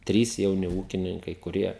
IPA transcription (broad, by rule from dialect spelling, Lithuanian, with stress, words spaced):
ˈtʲrʲiːs jɛʊˈnʲɪ ˈuːkʲɪnʲɪŋkɐɪ kʊˈrʲiɛ